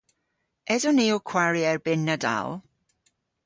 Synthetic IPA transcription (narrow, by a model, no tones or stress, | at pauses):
ɛdɔniːɔkʰw̥aɹiɛrbɪnːəda̰lˠ